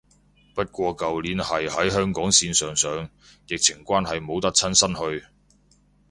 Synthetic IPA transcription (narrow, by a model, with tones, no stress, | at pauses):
pɐ˥t̚kʷɔː˧kɐ˨wliː˨˥nhɐ˨jhɐ˨˥jɦœː˥ŋkɔː˨˥ŋsiː˧nsœː˨ŋsœː˨ŋ | jɪ˨k̚t͡sʰɪ˨˩ŋkʷaː˥nɦɐ˨jmo˨˥wt̪ɐ˥k̚t͡sʰɐ˥nsɐ˥nhɵ˧ɥ